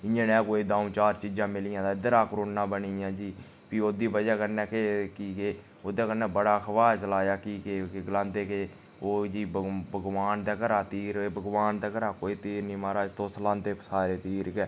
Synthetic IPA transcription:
ɪjãnɛ̃ːkoːiːd̪ãːũːt͡ʃaːɾt͡ʃiːd͡ʒãːmɪlɪjãːd̪aːɪd̪əɾaːkɾoːnnãːbəniːjãːd͡ʒiː | piːoːd̪iːbəd͡ʒɛːkəɾnɛːkekiːkeː | oːd̪eːkəɾnɛːbəɽaːkʰəʋaːt͡ʃəlaːjaːkiːkekɡəlãːnd̪eːke | oːd͡ʒiːbbəɡʋaːnt̪ɛːkəɾaːt̪iːɾbəɡʋaːnt̪ɛːkəɾaːkoːiːt̪iːɾnĩːmaːɾaːt̪oːslãːnt̪eːpsaːɾeːt̪iːɾkɛː

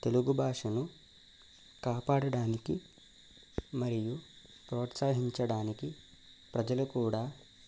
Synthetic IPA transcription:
t̪e̞luɡubʱaːʂɐnu | kaːpaːɽɐɽaːniki | mɐɾijupɾoːt̪saːɦiɲt͡ʃɐɽaːniki | pɾɐd͡ʒɐlukuːɽaː

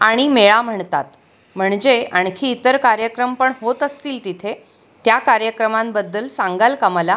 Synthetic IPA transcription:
aɽ̃imeɭam̤əɳt̪at̪ | m̤əɳd͡ʑeaɳkʰiːt̪əɾkaɾjəkɾəmpəɳɦot̪əst̪iːlt̪it̪ʰe | t̪jakaɾjəkɾəmãmbəd̪ːəlsãŋɡalkəmla

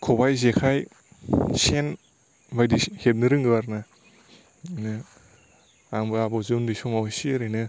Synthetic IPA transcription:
kʰɔbajzekʰaj | sen | bajdihet̚nɯɾɯŋɡɯwaɾna | nɯ | aŋbɯabɔzundisɔmawsiɾɯnɯ

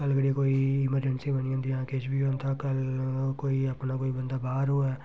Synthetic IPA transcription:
kəlɡəɽekoːiɪməɾd͡ʒənsĩbəniãnd̪iãːket͡ʃbiõnt̪akəlkoːiəpnakoːibə̃nd̪abaːɦɾɦoaː

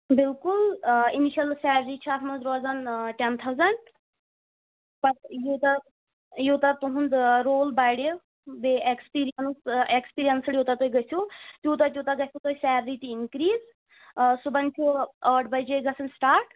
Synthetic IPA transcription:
bilkuliniʃɐlsɛːɾɾiːt͡ʃʰuat̪ʰmɐzɾɔːzɐnʈent̪ʰawzɐɳɖ | pɐɾjot̪ɐ | jot̪ɐt̪uɦũnd̪ɾoːlbajɽe | beekspiːɾijɐnsekspiːɾijɐnsljot̪ɐt̪oːiɡɐsʰut̪juːt̪̬ɐt̪jut̪ɐɡɐsʲʰut̪oisɛːɾɾiːt̪iinkɾiːz | subɐnt͡ʃʰuəɖbɐjd͡ʒeɡɐsɐnsʈaːɾʈ

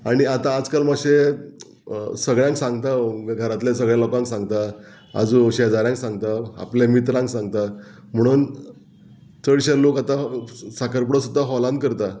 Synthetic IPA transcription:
aɽ̃iat̪aːd͡zkalmaɕe | səɡɭjãŋksãŋɡt̪aɡʱəɾat̪lesəɡɭjãlɔkãŋksãŋɡt̪a | a̰d͡zuɕed͡zaɾjãŋksãŋɡt̪aa̰plemit̪ɾãŋksãŋɡt̪a | m̤əɽ̃uːn | t͡səɽɕelokat̪asakəɾpɽəsud̪ʱːaɦɔlãnd̪̚kəɾt̪a

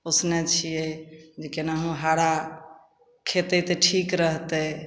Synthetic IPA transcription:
osnet͡ʃʰijed͡ʒekenaɦũɦaɽa | kʰet̪ɛt̪eʈʰikɾəɦt̪e

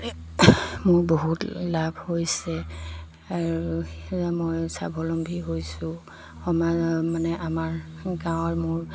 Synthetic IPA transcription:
mʊɹboɦutlabʱhojsɛ | aɹuuzamojsa̰bʱɔlɔmbʱiɦojsʊ̃ | xɔmamanɛʔamaɹ | ɡãwɔɹmʊɹ

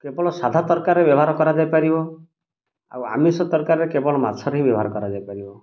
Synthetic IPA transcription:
kebɔɭɔsad̪ʱat̪ɔɾkaɾebjɔbɔɦaɾɔkɔɾad͡ʒajpaɾibɔ | a̰wa̰misɔt̪ɔɾkaɾɾekebɔɭɔmat͡ʃʰɔɾɦĩbjɔbʱɔaɾɔkɔɾad͡ʒajpaɾibɔ

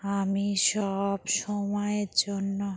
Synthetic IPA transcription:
amiʃɔbʃɔmɔeɾd͡ʑonːo

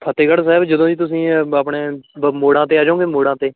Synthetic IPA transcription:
pʰət̪ːeːɡəɽs̬ɛːbd͡ʒəd̪õːd͡ʒiːt̪ʊsĩːapɳeːmoːɽãːt̪eːaːd͡ʒaõːɡeːmoːɽãːt̪eː

